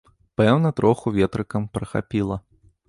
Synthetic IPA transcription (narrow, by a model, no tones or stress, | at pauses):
pɛwnɐt̪ɾʔɔxuvʲɛt̪ɾɨkɐmpɾɐxa̰pʲilˠɐ